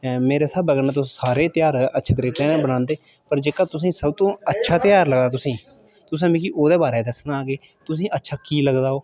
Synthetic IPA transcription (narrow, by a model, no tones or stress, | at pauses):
meːɾeːsəbəɡəɾnãːt̪ʊssaːɾeːt̪ɪjaːɾətːʃʰed̪ɾeːʈɛ̃ːnːbənãːnd̪eː | pəɾd͡ʒeːkaːt̪ʊs̬ĩːsəbt̪õːətːʃʰaːt̪ɪjaːɾləɡd̪aːt̪̬ʊsĩː | t̪ʊs̬ãːmĩːkiʔoːd̪eːbaːɾɛːd̪əsnaːɡeː | t̪ʊsĩːʔətːʃʰaːkiːləɡd̪aːoː